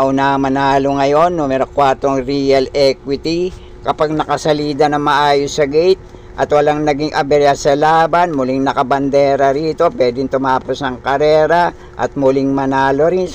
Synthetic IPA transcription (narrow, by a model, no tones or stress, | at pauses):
ʔʊnamɐnaːloŋɐjo̞nːuːmɛɾo̞kwaɾt̪o̞ŋɾiːɐlɛkwɪt̪i | kɐpaɡ̚nɐkɐsɐliːd̪ɐnɐŋmɐʔaːjosːɐɡɛjt̪̚ | ʔɐt̪wɐlaŋnɐɡiŋʔɐbɛɾasɐlaːbɐnmʊliŋnɐkɐbɐnd̪ɛːɾɐɾiːt̪o̞pwɛːd̪ɪŋt̪ʊmaːposnɐŋkɐɾɛːɾɐ | ʔɐ̰t̪̚mʊlɪŋmɐnaːlo̞ɾɪn